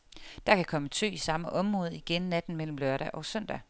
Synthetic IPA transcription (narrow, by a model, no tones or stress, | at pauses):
d̥ɑkʰækʰɒ̽mət͡sʰø̰ːisɑ̈məʔɒ̽mʁɔ̽ːð̞̩ˠiɡ̥enːæd̥n̩mel̰m̩lɶɐɾæʔɒ̽søn̰d̥æ